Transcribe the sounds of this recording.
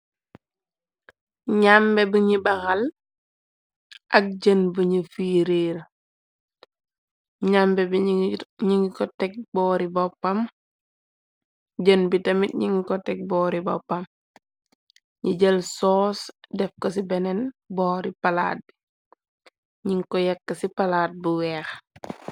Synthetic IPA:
ɲambɛbəɲibɐxal | ʔɐk̚ɟənbəɲifiːɾeːɾ | ɲambɛbɲiŋɡikɔtɛk̚bɔːɾibɔpːɐm | ɟənbitɐmit̚ɲiŋikɔtɛk̚bɔːɾibɔpːɐm | ɲiɟəlsɔːsdɛfkɔsibɛnɛnbɔːɾipɐla̰ːt̚bi | ɲiŋkɔjɛkːɐsipɐlaːt̚buwɛːx

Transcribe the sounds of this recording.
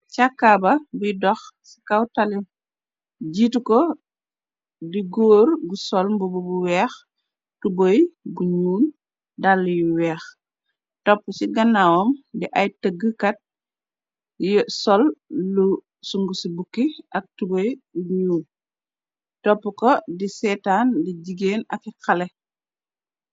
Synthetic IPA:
t͡ʃakːabɐbujdɔxsi̥kɐwtɐli | ɟiːtukɔ | diɡoːɾɡusɔlmbububuwɛːx | tubojɡuɲuːn | dalːujuwɛːx | tɔpːusiɡɐnːawɔmdiʔɐjtəɡəkɐt̚ | jsɔlːu | suŋɡusibukːiʔɐk̚tubojɡuɲuːn | tɔpːukɔdisɛtaːndiɟiɡeːnɐ̰kikɐlɛ

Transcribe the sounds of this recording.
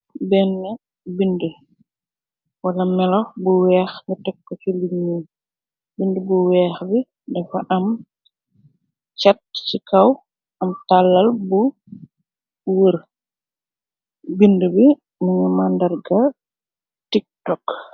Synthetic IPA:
bɛnːɛ | bində | walamɛlɔbuwɛːxŋatɛkːɔt͡ʃiliɲːi | bindəbuwɛːxbi | dɛfaʔam | t͡ʃat̚t͡ʃikaw | amtalːalbu | wəɾ | bindəbi | muɲumandaɾɡa | tik̚tɔk

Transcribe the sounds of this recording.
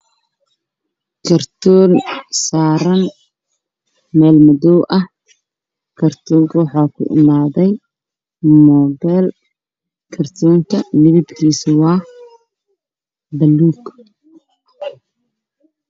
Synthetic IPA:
kʰɐrt̪ʰɔːnsaːɾɐn | mɛːlmɔðɔwʔɐh | kʰɐrt̪ʰuːŋkʰɐwɑħɑːkʰʊ̰ʔɪ̰maːðɛj | mɔːbɛːl | kʰɐrt̪ʰɔːŋkʰɐnɪβɪbkʰiːswɑː | bɐlːuːɡ

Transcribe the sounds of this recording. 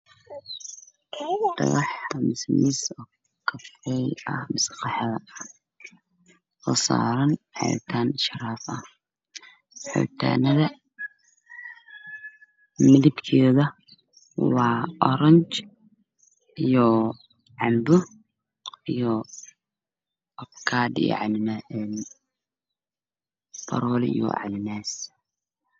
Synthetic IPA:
d̥ɐ̰ɣɑħmɪsmɪsɔː | kʰɐfɛjɐ̰hmɪsqɑħðɐ | ɔːsa̰ːɾɐnħɑ̰jt̪ʰaːnʃɾaːfɐh | ħɔ̰wt̪ʰa̰ːnɐðɐ | mɪlɪbkʰɛːðɐ | wɑːɔɾɐɲt͡ʃ | ijɔ | ʕɑmbʊ | ijɔ | ɔkʰaːd̪ḭjɔ̰ʕɑnnaɛn | bʰɐ̰ɾɔlɛ̰ḭjɔ̰ʕɑ̰nɪnaːs

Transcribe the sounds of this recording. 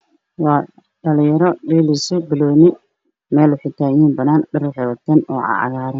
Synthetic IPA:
wɑː | ɖɐlɪjɐɾɔɖɛːlisɔbɪlɔːnɪ | mɛːlʊħɪt̪ʰaːjiːnbɐnaːnɖɐrwħɪwɐt̪ʰɐnɔ̰ːʕɑ̰ʕɑ̰ɣaːɾɐn

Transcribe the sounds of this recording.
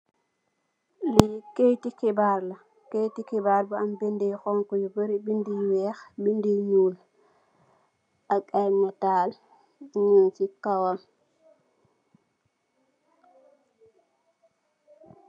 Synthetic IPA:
likejtikɛbaɾla | kejtikɛbaɾbɔambindɛjxɔŋkɔjubəɾibindiwɛːxbindiɲuːl | ʔakajmɔtaːl | ɲuntikawam

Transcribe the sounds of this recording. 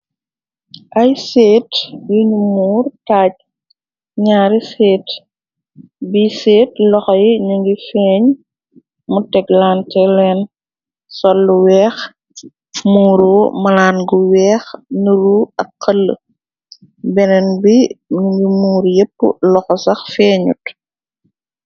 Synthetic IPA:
ʔɐjseːtjiɲumuːrtaːɟ̚ | ɲaːɾiseːt | biseːtlɔxɔjiɲuŋɡifɛːɲ | mutɛklaːntɛlɛn | sɔlːuwɛːx | muːɾoːmɐlaːnɡuwɛːxnuɾuɐkːɐlːə̰ | bɛnɛnbiɲuŋɡimuːɾjepːṵlɔxɔsɐxfɛːɲṵt

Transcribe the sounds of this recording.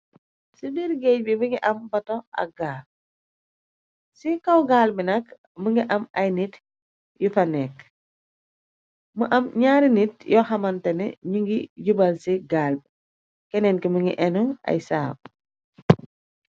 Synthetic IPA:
sidiɾɡɛːc̚bimiŋɡiʔɐmbɐtɔʔɐ̰ɡaː | sikɐwɡaːlbinɐk | məŋɡiʔɐmɐjnit | jufɐnɛk | muʔɐmɲaːɾinit̚jɔxɐmɐntɛnɛ̰ɲuŋɡiɟubɐlsiɡaːlb | kɛnɛnkiməŋɡḭʔɛnuɐ̰jsaːb̚

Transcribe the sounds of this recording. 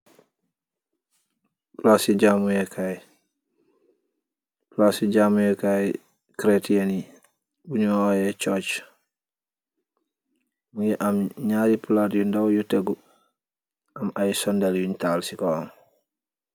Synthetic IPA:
plasiɟamujɛkʰaj | plasiɟaːmujɛkaj | kɾetiani | buɲuojɛt͡ʃot͡ʃ | mujɛʔamɲaːɾipuladijundawjuteɡu | ʔamajsɔndeljuntaːlsikoɔn

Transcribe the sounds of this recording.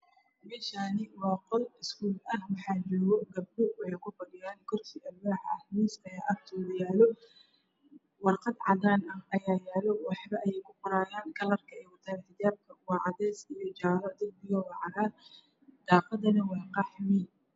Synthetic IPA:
mɛːʃaːnɪwɑːqɔlɪskʰuːlɐhwɑħɑːt͡ʃɔːɣɔɡɐb̚d̪ʊwɑħɑjkʰʊbɐɽɪjaːnkʰɔrkʰiːʔɐbaːħɐhmiːsɐjaːʔɐːkt̪ʰɔːðɐjaːlɔ | wɑrqɑd̪ʕɑðaːnɐhɐjaːjaːlɔwɑħbɐʔɛjɛjkʰʊqʊɾaːjaːnɡɐlɐrkʰɐɛjwɐt̪ʰaːnħɪðaːb̚kʰɐwɑːʕɑðɛːsijɔt͡ʃaːɾɐd̪ɪl̚bɪjɔwɑːʕɑðaːn | d̪̥ɑːqɑd̪ɐnɐwɑːqɑħmɪ

